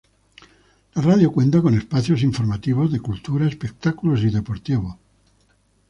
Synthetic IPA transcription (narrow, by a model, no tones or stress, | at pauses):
laraðjokwe̞nt̪ako̞ne̞spaθjo̞siɱfoɾmat̪iβ̞o̞zðe̞kult̪uɾaespek̚t̪akulos̬iðe̞poɾt̪iβ̞o